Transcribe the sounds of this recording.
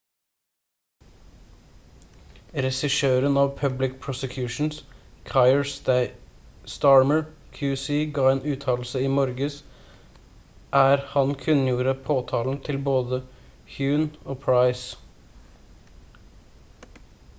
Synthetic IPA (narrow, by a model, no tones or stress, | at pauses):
ɾɛsɪʃøːɾənɑːʋpʰœblɪk̚pʰɹʊsəkʰjʉːʃn̩skʰɑɪəɹ | st̪ɑɹməɹ | kʰjʉːsiːɡɑːeːnʉːt̪ʰɑːll̩səiːmɔɾɡəs | ʔæːɾhɑnkʰʉnjuːɾəpʰoːt̪ʰɑːln̩t̪ʰɪlboːd̪ə | hjʉːnoːpʰɹɑɪs